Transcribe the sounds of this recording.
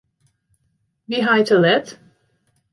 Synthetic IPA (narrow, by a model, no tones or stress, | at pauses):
biɦaɪtʰəlɛt